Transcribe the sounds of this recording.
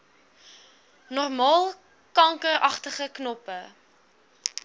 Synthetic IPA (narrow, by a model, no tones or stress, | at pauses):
nɔrmɑːlˠ | kɐŋkərɐχtəχəknɔpə